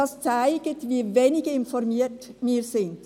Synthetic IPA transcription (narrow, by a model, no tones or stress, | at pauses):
ast͡saɪɡ̥ətviːveːnɪɡəɪnfɔʁmiːtmiːzɪnd